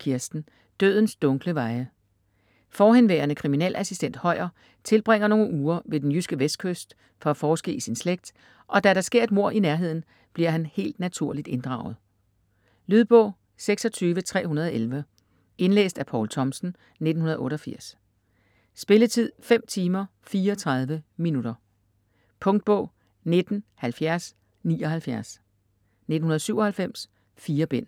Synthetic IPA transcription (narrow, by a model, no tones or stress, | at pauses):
kʰiɐsd̥n̩ | d̥ø̰ðˠn̩sd̥ɔ̽ŋɡ̥ləʋɑ̈ɪə | fɒːɦenʋeːɐnəkʰʁiminḛlʔæsisd̥en̰d̥hɒ̽ɪ̰ɐ | t͡sʰe̝lb̥ʁeŋ̰ɐno̝ːŋ̩ʔuːɐʋe̝d̥enjysɡ̥əʋesd̥̚kʰøsd̥ | fɒ̽æfɒːsɡ̥ḛisinsleɡ̥̚d̥ | ʔɒ̽d̥æɾɑ̈sɡ̥e̝ɐed̚mo̝ɐ̰ʔinæɐɦe̝ð̰ˠn̩ | b̥liɐ̰ɦænhe̝̰ːld̥næt͡sʰuɐ̰lid̥e̝nd̥ʁɑ̈ʊð̞̩ˠ | lyðˠb̥ɔ̰̽ʊ̰ | seɡ̥sɒ̽t͡sʰyːʋət͡sʰʁɛ̰ːhunɐð̞ˠelʋə | e̝nlḛːsd̥æpʰɒːlt͡sʰɒ̽msn̩ | ne̝d̥n̩ɦunɐðˠɔ̽ːɾɒ̽fiɐ̰s | sb̥e̝lət͡sʰið̞̰ˠfem̰t͡sʰiːmɐfiːɐɒt͡sʰʁɑ̈ð̞ˠʋəminuɾ̥ɐ | pʰɔ̽ŋd̥̚b̥ɔ̽ː | ne̝d̥n̩hælfjæɐs | niːɒ̽ɦhælfjæɐs | ned̥n̩unɐð̞̩ˠsyʊ̰ɒ̽hælfem̰s | fiːɐb̥en̰